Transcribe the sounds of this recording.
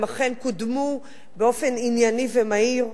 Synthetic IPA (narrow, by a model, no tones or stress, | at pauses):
maχenkudmu | beo̞feninjanivemaiʁ